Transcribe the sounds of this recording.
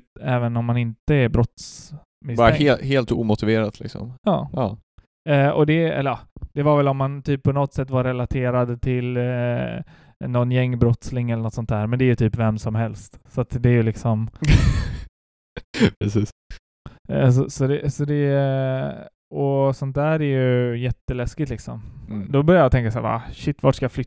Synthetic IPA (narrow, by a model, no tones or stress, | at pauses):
ɛːvənɔmːanɪnt̪əæɾbɾɔt̪s | mɪɑɾaheheːlt̪ṵːmʊt̪ɪveːɾat̪lɪ̰ksɔ̰mjɑːɑː | ɔd̪ɛɛ̰lːəd̪̥ɛvaɾvɛlɔmːant̪ʰyːppʰːɔnɔt̪sɛt̪ːvaɾɛlat̪ʰeːɾad̪t̪ʰɪl | nːɔnjɛŋːbɾɔt̪slɪŋɛlːəɳnɔt̪sɔnt̪ʰæːɾmɛnd̪ɛæɾjɵt̪ʰyːpvɛmsɔmhɛlst̪sɔat̪d̪ɛːɾjɵlɪksɔm | pɾɛsiːs | sɔsɔd̪ɛsɔd̪ɛ | ɔsɔnt̪̚d̪æːɾæɾjɵjɛt̪ːəlɛskɪɡt̪lɪksɔ̰md̪ɔbœɾjajat̪ɛŋkasæ̰ːɾva̰ɕɪt̪ːvɑːʈʂkajaflʏ